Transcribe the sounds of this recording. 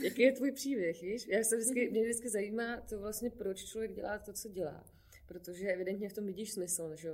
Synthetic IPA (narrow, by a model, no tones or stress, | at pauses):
jakijɛt̪vuːjpr̥iːbjɛxviːʃjaːst̪ɛvdɪt͡skɪmɲɛdɪt͡skɪzajiːmaːt̪o̞vlast̪ɲɛpɾot͡ʃt͡ʃlovjɛɡ̚ɟɛ̰lʔaːt̪o̞t͡soɟɛla̰ː | pɾot̪oʒɛʔɛvɪdɛnt̪ɲɛft̪omvɪɟiːʃsmɪsl̩nʒɛjo